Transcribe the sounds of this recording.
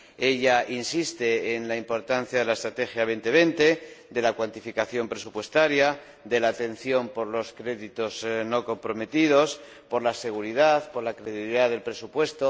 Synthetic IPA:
e̞ʎaʔinsist̪e̞ːnlaimpo̞ɾt̪an̟θjaðe̞laest̪ɾat̪e̞xjaβ̞e̞nt̪e̞β̞e̞nt̪e̞d̪e̞lakwant̪ifikaθjo̞mpɾe̞supwe̞st̪aɾja | ðe̞laːt̪e̞n̟θjo̞mpo̞ɾlo̞skɾe̞ðit̪o̞zno̞ko̞mpɾo̞me̞t̪ið̞o̞s | po̞ɾlase̞ɣuɾið̞aθpo̞ɾlakɾe̞ðiβiliðaðe̞lpɾe̞supwe̞st̪o̞

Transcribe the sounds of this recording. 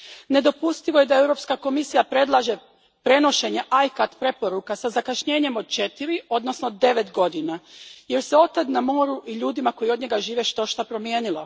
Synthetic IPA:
ne̞d̪o̞pust̪iʋoje̞d̪ae̞wɾo̞pskako̞misijapɾe̞d̪lˠaʒe̞ | pɾe̞no̞ʃe̞ɲe̞ʔajkat̪pɾe̞po̞ɾukasazakaʃɲe̞ːɲe̞mod̪̚t͡ʃe̞t̪iɾio̞d̪no̞snod̪ːe̞ʋe̞t̪ɡo̞d̪inaje̞ɾseo̞t̪ad̪namo̞ːɾuʔiʎuːd̪imako̞jio̞d̪ɲe̞ɡaʒiːʋeʃt̪o̞ʃt̪apɾo̞mjeːnilo̰

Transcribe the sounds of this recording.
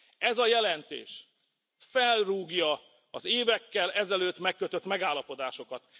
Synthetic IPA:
ɛzɒjɛlɛnt̪ḛːʃ | fɛlruːɡjɒ | ɒzeːvɛkːɛlɛzɛløːt̪mɛkːøt̪øt̪mɛɡaːlːɒpo̞d̪aːʃo̞kɒt̪

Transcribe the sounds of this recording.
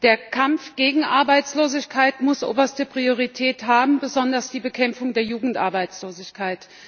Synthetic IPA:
d̥eːɐkʰamfɡ̥eːɡŋ̩ʔaɐbaɪt͡sloːzɪçkʰaɪtmʊsʔo̰ːbɐstəpʁ̥ioʁ̞itʰɛːthaːbm̩bəzɔndɐsd̥iːbəkʰɛmfʊŋdeːɐjuːɡŋ̩tʔa̰ɐbaɪt͡sloːzɪçkʰaɪt

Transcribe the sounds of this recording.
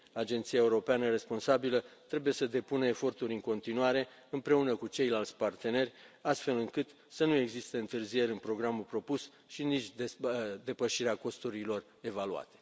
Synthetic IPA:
ad͡ʒe̞nt̪siae̞uɾo̞peanəre̞spo̞nsabilət̪ɾe̞bujesəd̪e̞punəefo̞rt̪uɾʲɨŋko̞nt̪inuaɾe̞ | ɨmpɾe̞unəkut͡ʃe̞jlalt̪sʲpart̪e̞ne̞rʲast̪fe̞lɨŋkɨt̪ | sənue̞ɡzist̪eɨnt̪ɨrzie̞ɾʲɨnpɾo̞ɡɾamulpɾo̞pus | ʃinit͡ʃ̪ʲed̪e̞pəʃiɾeako̞st̪uɾilo̞r | e̞valua̰t̪e̥

